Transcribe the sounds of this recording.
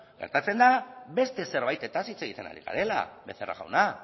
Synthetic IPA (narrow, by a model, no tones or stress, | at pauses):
ɡe̞ɾt̪at͡se̞nd̪aβe̞st̪e̞se̞ɾβ̞ajt̪e̞t̪asit͡se̞ɣit̪e̞na̰ɾiɣa̰ɾe̞la̰βe̞θera̰ɣa̰wna